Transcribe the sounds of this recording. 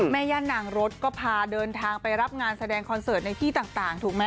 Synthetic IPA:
mɛː˧jaː˧nːa˨˩˦ŋɾo˦˥t̪̚kɔː˥˩pʰaː˧dɤː˧nt̪ʰaː˧ŋpa˧jɾa˦˥p̚ŋaː˧nsa˧dɛː˧ŋkʰɔ˧nsɤː˨˩t̪̚na˧jt̪ʰiː˥˩t̪aː˨˩ŋt̪aː˨˩ŋt̪ʰuː˨˩k̚ma˦˥

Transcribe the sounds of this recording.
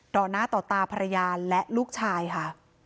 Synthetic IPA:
dɔː˨˩naː˦˥˩t̪ɔː˨˩t̪aː˧pʰa˧ɾa˧jaː˧lɛ˦˥ʔluː˥˩k̚t͡ɕʰaː˧jkʰa˥˩

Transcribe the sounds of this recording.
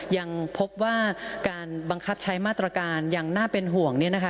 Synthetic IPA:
ja˧ŋpʰo˦˥p̚waː˥˩kaː˧nba˧ŋkʰa˦˥p̚t͡ɕʰa˦˥jmaː˥˩t̪ɾa˧kaː˧nja˨˩ŋnaː˥˩pe˧nɦu˨˩əŋni˦˥˩ɐna˦˥kʰa˦˥

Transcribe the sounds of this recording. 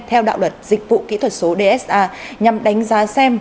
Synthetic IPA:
t̪ʰɛ˧wɗa̰ː˧˨wlwə˨˩t̚zï˨˩k̚vṵ˧˨kḭ˧˥t̪ʰwə˨˩t̚so˨˦ɗe˧ʔɛ˦˥sʔaː˧ɲa˨˩mɗa˨˦jŋ̟zaː˨˦sɛ˧m

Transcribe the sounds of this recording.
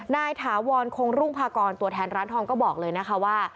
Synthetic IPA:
naː˧jt̪ʰaː˩˦wɔː˧nkʰo˧ŋɾuː˥˩ŋpʰaː˧kɔː˧nt̪u˧˩ət̪ʰɛː˧nɾaː˦˥nt̪ʰɔː˧nkɔː˥˩bɔː˨˩k̚lɤː˧jna˦˥kʰa˦˥waː˥˩

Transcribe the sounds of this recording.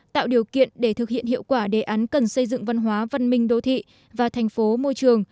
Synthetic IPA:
t̪a̰ː˧˨wɗi˨˩əwkḭ˧˨ənɗe˧˩t̪ʰɨ˨˩k̚hḭ˧˨ənɦḭ˧˨əwkwaː˧˩ɗe˧˩ʔaː˨˦nkə˨˩nsə˧jzɨ̰˧˨ŋva˧nɦwaː˨˦və˧nmï˧ŋ̟ɗo˧t̪ʰḭ˧˨ | vaː˨˩t̪ʰɛ˨˩jŋ̟fo˨˦mo˧jt͡ɕɨ˨˩əŋ

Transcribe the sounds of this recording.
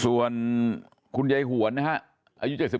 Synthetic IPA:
su˨˩ən | kʰu˧nja˧jɦu˩˦ɐ˦nːa˦˥kʰa˦˥ʔ | ʔaː˧ju˦˥t͡ɕa˨˩t̪̚si˨˩

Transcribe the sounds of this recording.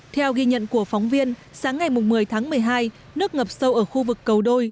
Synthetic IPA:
t̪ʰɛ˧wɣi˧ɲə̰˧˨nku˧˩əfɔ˨˦wŋ͡mvi˧ənsaː˨˦ŋːa˨˩jmʊ˨˩ŋ͡mmɨ˨˩əjt̪ʰaː˨˦ŋmɨ˨˩əjɦaː˧j | nɨ˦˥ək̚ŋə˨˩p̚sə˧wʔəː˧˩xu˧vɨ˨˩kːə˨˩wɗo˧j

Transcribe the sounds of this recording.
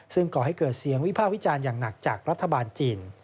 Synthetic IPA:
sɯ˥˩ŋkɔː˨˩ɦa˥˩jkɤː˨˩t̪̚si˨˩˦əŋwi˦˥pʰaː˥˩k̚wi˦˥t͡ɕaː˧njaː˨˩ŋna˨˩k̚t͡ɕaː˨˩k̚ɾa˦˥t̪ʰːa˧baː˧nt͡ɕiː˧n

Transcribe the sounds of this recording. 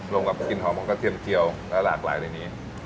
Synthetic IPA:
ɾo˧ŋka˨˦˩pki˧nɦɔː˩˦mɔ˧ŋkɔ˥˩t̪ʰi˧əmt͡ɕi˧əwlɛ˦˥wla̰ː˨˩k̚la̰ː˩˦jla˧jniː˦˥

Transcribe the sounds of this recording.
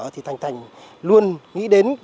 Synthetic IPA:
t̪ʰi˨˩t̪ʰa˨˩jŋ̟t̪ʰa˨˩jŋ̟ | lu˧ənŋḭ˧˥ɗe˨˦n

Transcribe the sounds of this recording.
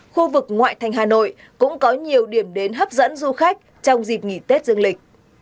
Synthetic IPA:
xu˧vɨ˨˩k̚ŋwa̰ː˧˨jt̪ʰa˨˩jŋ̟ɦaː˨˩no̰˧˨j | kʊ̰˧˥ŋ͡mkɔ˨˦ɲi˨˩əwɗi˧˩əmɗe˨˦nɦə˦˥p̚zə̰˧˥nzu˧xa˦˥k̚ | t͡ɕɔ˧wŋ͡mzi˨˩t̚ŋi˧˩t̪e˦˥t̚zɨ˧əŋlï˨˩k̟̚

